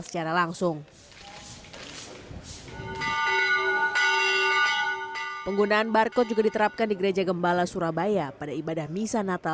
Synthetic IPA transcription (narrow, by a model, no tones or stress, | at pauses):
sə̥t͡ʃaɾalaŋsʊŋ | pəŋɡunaːnbarkɔt̪̚d͡ʒuɡadit̪əɾap̚kandiɡəɾed͡ʒaɡəmbalasuɾabajapadaibadahmisanat̪a